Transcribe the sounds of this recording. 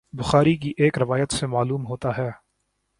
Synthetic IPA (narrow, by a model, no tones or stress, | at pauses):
bʊxaːɾik̬iʔeːkɾɪʋaːjət̪semaːluːmɦoːt̪aɦɛː